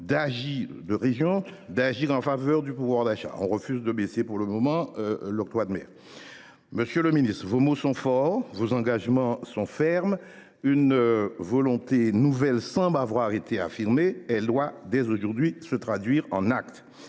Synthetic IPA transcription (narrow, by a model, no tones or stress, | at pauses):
d̪aʒiʁd̪əʁeʒjɔ̃d̪aʒiʁɑ̃favœʁd̪ypuvwaʁd̪aʃa̰ɔ̰̃ʁəfyzd̪əbɛsepuʁləmɔmɑ̃lɔk̚t̪wad̪mɛ̰ːʁ | məsjøləminist̪χvomosɔ̃fɔʁvozɑ̃ɡaʒmɑ̃sɔ̃fɛʁm | ynvɔlɔ̃t̪enuvɛlsɑ̃blavwaʁet̪ea̰fiʁmeɛld̪wad̪ɛzoʒuʁd̪ɥisət̪χad̪ɥiʁɑ̰̃nakt̪